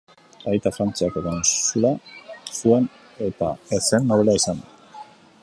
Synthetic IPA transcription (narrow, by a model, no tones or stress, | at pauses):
aðit̪afɾant͡siakeɾansulasue̞n | e̞t̪aesenːo̞β̞e̞laisand̪a